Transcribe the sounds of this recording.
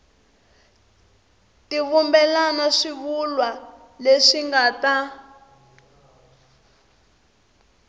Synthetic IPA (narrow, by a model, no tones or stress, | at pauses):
tiβumbɛlanaʂiβulwa | leʂiŋɡaːta